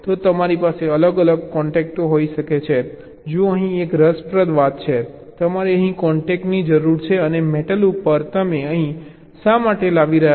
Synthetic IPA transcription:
t̪ot̪əmaɾipaseələɡələɡ̚kɔɳʈɛk̚ʈoɦoiʃəket͡ʃʰe | d͡ʒoəɦĩekɾəspɾəd̪ʋat̪̚t͡ʃʰet̪əmaɾiəɦĩkɔɳʈek̚ʈnid͡ʒəɾuɾt͡ʃʰeənemeʈəlupəɾt̪əmeəɦĩ | ʃamaʈelaʋiɾəɦja

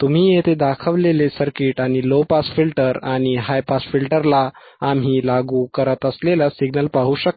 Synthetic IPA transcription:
t̪um̤iːjet̪ed̪akʰəʋlelesəɾkiʈaɽ̃ilopasfilʈəɾaɽ̃iɦajpasfilʈəɾlaː | m̤iːlaɡukəɾət̪əslelasiɡnəlpaɦuːɕəkː

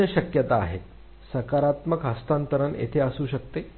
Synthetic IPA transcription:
əɕəkjət̪aːɦet̪̚ | səkaɾat̪məkɦəst̪ant̪əɾənḛt̪ʰeəsuːɕək̚t̪e

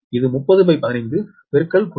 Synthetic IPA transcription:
ɪðɯmʊpːɐðɯpɐɪpːɐnɐɪnd̪ɯ | pɛɾɯkːɐɭkʊ

